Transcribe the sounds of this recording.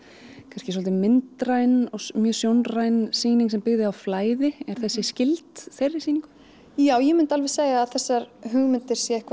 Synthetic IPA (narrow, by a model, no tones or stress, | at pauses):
kʰanscɪsɔlt̪ɪmɪnt̪ɾajnɔmjœːsjownrajnsiːniŋksɛmpɪɣðɪawflaːjðɪɛɾ̥θɛsːɪscɪlt̪θejrːɪsiːniŋkʏ | jaːwjɛmʏnt̪alvɛseːɣaːðθɛsːaɾɦʏɣmɪnt̪ɪɾ̥sjɛɪhkva